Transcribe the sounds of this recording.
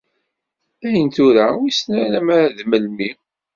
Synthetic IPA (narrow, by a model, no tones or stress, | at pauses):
æjənt̪uɾawisnælæmaɾæðməlmi